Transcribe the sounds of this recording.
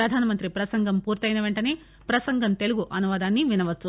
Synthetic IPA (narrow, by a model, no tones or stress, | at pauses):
ɾɐd̪ʱaːnɐmɐnt̪ɾipɾɐsɐŋɡʱɐmpuːɾt̪ɐjnɐʋe̞ɳʈɐne̞ː | pɾɐsɐŋɡʱɐmt̪e̞luɡuʔɐnuʋaːd̪aːnːiʋinɐʋɐt͡ʃːu